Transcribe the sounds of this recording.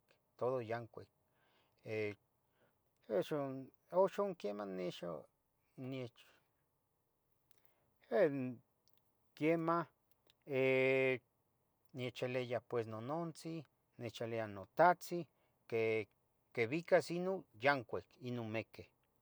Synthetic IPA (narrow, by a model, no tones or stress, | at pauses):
k | t̪oðojaŋkʷek̚ | e | eʃo | oʃoŋkjemaneʃo̰ | net͡ʃ | e | kjema | e | njet͡ʃelejapwesnonont͡si | net͡ʃaleanot̪at͡si | ke | keβikasinojaŋkʷekinonmeke